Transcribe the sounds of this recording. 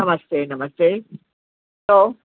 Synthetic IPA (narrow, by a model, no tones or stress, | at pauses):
ɐmɐst̪eːnɐmɐst̪eː | loː